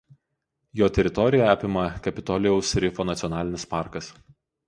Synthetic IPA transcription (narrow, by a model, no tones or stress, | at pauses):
joːt̪ʲɛɾʲɪt̪ɔɾʲɪjɛɑːpʲɪmɐkɐpʲɪt̪ɔlʲɪjɛʊsɾʲɪfoːnɐt̪sʲɔnɑːlʲɪnʲɪspɑˑɾkɐs